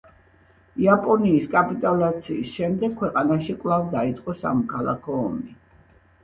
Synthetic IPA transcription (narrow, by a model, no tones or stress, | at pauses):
iapʼɔniːskʼapʼit̪ʼalat̪sʰiːsʃɛmd̪ɛk̚kʰwɛqʼanaʃikʼwlˠavd̪ait̪sʼqʼɔsa̰mɔkʰalˠa̰kʰɔːmi